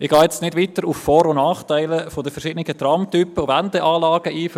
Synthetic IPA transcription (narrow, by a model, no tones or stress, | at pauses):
ɪɡ̥ɑːjɛt͡stnɪdʋiːtəɾufːɔːɾonɑːχtæɪləfodəfɛɾʃɪːdnɪɡət̪rɑmtypːəʊvɛndəʔɑːlɑːɡ̥əʔiːf